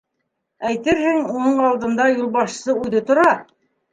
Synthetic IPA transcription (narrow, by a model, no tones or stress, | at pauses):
æjt̪ɘɾhɘŋunɤɴɑlˠd̪ɤ̆nd̪ɑjulˠbɑʃsɤʉðɘt̪ŏɾɑ